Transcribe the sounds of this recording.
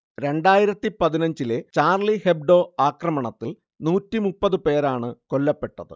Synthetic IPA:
ɾe̞ɳɖaːjiɾɐt̪ːipɐðinɐɲd͡ʑilet͡ɕaːrliheb̚ɖo̞ːaːkrɐmɐɳɐt̪ːil | nuːtːimupːɐðɨpe̞ːɾaːɳɨko̞lːɐpːe̞ʈːɐðɨ̰

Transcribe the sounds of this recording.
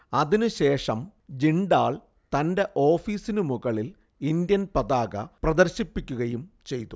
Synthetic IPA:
ɐðinɨɕe̞ːʂɐmd͡ʑiɳɖaːɭ | t̪ɐnde̞ʔo̞ːfiːsinɨmuɣɐɭil | ind̪jɐnpɐðaːɣɐ̰prɐd̪ɐɾɕipːikʲːuɣɐjum | t͡ɕe̞jt̪u

